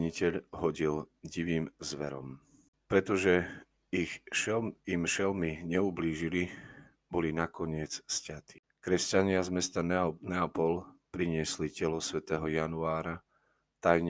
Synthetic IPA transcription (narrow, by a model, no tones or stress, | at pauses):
ɲicɛʎɦɔɟilɟiʋiːmzʋɛ̰ɾɔ̰m | pɾɛt̪ɔʒɛ | ixʃɛimʃɛlmiɲɛubliːʒili | bɔlinakɔɲɪɛt͡sscat̪i̥ | kɾɛscaɲɪazmɛst̪anɛnɛɔpɔlpɾiɲɪɛslicɛlɔsʋɛt̪ɛːɦɔjanuaːɾa | t̪ajɲ